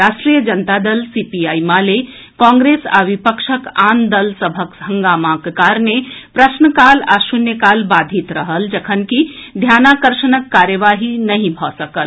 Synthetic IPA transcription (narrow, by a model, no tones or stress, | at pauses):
ɾaːʃʈɾiːjəd͡ʒɐnt̪ad̪əlsiːpiaːimaːle | kãːŋɡɾeːsa̰ʋipəkʃəkaːnd̪əlsəbʱəkɦɐ̃ŋɡaːmaːkkaːɾnepɾɐʃnəkaːlaːʃunjəkaːlbaːd̪ʱit̪ɾəɦəld͡ʒɐkʰənkid̪ʱjaːnakəɾʃənəkːaːɾjəʋaːɦinɐɦĩbʱɔsəkəl